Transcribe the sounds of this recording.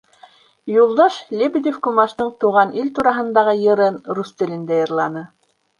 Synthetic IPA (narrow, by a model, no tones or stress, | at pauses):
julˠd̪ɑʃlʲebʲid̪ʲefkumɑʃt̪ɤɴt̪uʁɑnʔilt̪uɾɑɦɤ̆nd̪ɑʁɤjɤ̆ɾɤnɾust̪ɘ̆lɘ̆nd̪æjɤ̆ɾlˠɑnɤ